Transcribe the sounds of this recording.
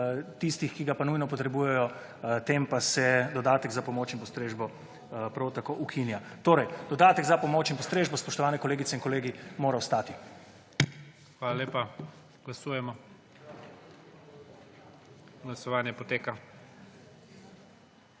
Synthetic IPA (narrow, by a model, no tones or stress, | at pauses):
t̪ist̪ixkiɡapanujnɔpɔt̪ɾɛbuːjɛjɔ | t̪eːmpasɛd̪ɔd̪aːt̪əɡzapɔmoːt͡ʃinmpɔst̪ɾeːʒbɔ | pɾawt̪akoʔukʰinjat̪oːɾɛjd̪̥ɔd̪aːt̪əɡzapɔmoːt͡ʃinmpɔst̪ɾeːʒbɔspɔʃt̪ɔʋaːnɛkɔleːɡitsɛinkɔleːɡimoːɾaɔst̪aːt̪i | xʋaːlaleːpa | ɡ̥lasuːjɛmɔ | ɡlasɔʋaːnjɛpɔt̪eːka